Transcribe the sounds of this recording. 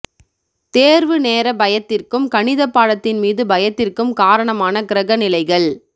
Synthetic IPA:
t̪eːɾʋɯneːɾɐbɐjɐt̪ːɪrkɯmkɐɳɪðɐpːaːɽɐt̪ːɪnmiːðɯbɐjɐt̪ːɪrkɯmkaːɾɐɳɐmaːnɐkɪɾɐɣɐnɪlɐɪɣɐɭ

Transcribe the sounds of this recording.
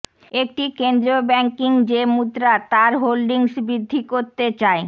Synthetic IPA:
ek̚ʈikend̪ɾobɛŋkiŋd͡ʑemud̪ɾat̪aɾɦolɖiŋʃbɾid̪ʱːikoɾt̪et͡ɕae

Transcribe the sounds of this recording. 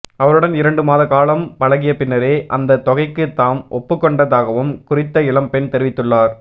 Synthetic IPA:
ɐʋɐɾɯɽɐnɪɾɐɳɖɯmaːðɐkaːlɐmpɐɻɐɣɪjɐpɪnːɐɾeːʔɐ̰nd̪ɐt̪ːɔɣɐɪkːɯt̪ːaːmʔɔpːɯkːɔɳɖɐðaːɣɐʋɯmkʊrɪt̪ːɐɪɭɐmpɛnt̪ɛɾɪʋɪt̪ːɯɭːaːɾ

